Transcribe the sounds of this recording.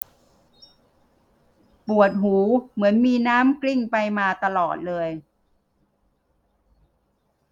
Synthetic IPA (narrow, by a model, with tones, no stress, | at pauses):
pu˨˩ət̪̚ɦuː˩˦mɯ˩˦ənmiː˧naː˦˥mkli˥˩ŋpa˧jmaː˧t̪a˧lɔː˨˩t̪̚lɤː˧j